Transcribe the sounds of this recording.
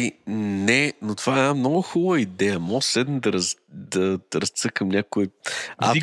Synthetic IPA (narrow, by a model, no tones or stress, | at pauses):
inɛnot̪ovaɛnamnɔɡʊxubvəid̪ɛjəmɔslɛd̪nəd̪ɐɾɐzd̪ɐɾɐst̪sɤkəmnʲakʊia̰i